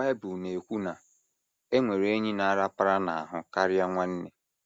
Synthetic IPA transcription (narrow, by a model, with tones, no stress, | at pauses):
a˦e˦bu˨ne˨kʷu˦na˨ | e˦ŋʷe˨ɾe˦ɲi˦na˨a˦ɾa˦pa˦ɾa˦na̰˨a̰˨ɦʊ˦ka˦ɾja˦ŋʷa˦n̩˦ne˨